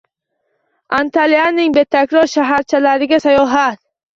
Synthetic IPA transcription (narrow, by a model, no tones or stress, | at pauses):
ant̪ʰalianːɪŋbe̞t̪ʰakʲɾɒɾʃaɦaɾt͡ʃʰalaɾɪɡʲasajɒɦat̪